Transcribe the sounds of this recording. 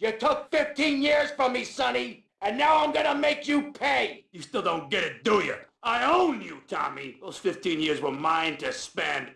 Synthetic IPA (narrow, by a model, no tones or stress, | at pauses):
jə˞tʰʊkfɪftʰĩnjɪɹz̥fə˞misʌni | ɨ̃nːaʊãɪ̃mɡʌnəmeɪkjɨpʰeɪjɨstɪlˠdõʊ̃n̚ɡ̥ɛɾɨdujɨ̰˞aɪõʊ̃njɨtʰɑ̰miðoʊz̥fɪftʰĩnjɪɹzwə˞mãɪ̃ntɨspɛ̃nd̥